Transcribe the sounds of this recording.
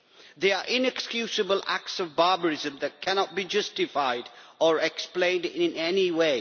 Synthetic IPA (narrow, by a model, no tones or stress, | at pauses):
ðeaʔɪ̃nɛkskjuːsəbəlʔæ̰k̚tsɔvbaːbəɹɪzə̃mðɨt̚kʰænɔt̚bid͡ʒʌstɪfaɪdəɹɛksplẽɪ̃ndɪ̃nɛniweɪ